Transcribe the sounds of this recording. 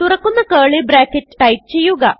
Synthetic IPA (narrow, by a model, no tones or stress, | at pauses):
t̪uɾɐkːunːɐkɐːɭebɾaːkːeʈːʈɐjp̚t͡ɕe̞jːuɡɐ